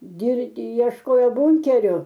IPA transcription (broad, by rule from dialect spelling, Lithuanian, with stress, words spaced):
ɡʲɪrʲˈdʲɪ iɛʃˈkoːjoː ˈbʊŋʲkʲɛrʲʊ